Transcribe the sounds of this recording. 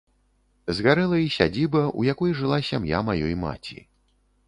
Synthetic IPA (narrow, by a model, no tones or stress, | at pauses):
zɣaɾɛlˠɐisʲa̰d͡zʲibɐʔṵjakɔjʐɨlˠasʲamja̰majɔjma̰t͡sʲḭ